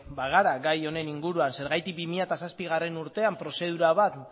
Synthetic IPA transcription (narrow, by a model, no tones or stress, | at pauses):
baɣaɾaɡajo̞ne̞niŋɡuɾuanse̞ɾɣajt̪ik̚bimiʎat̪asaspiɣ̞are̞nuɾt̪e̞ampɾo̞se̞ð̞uɾaβat̪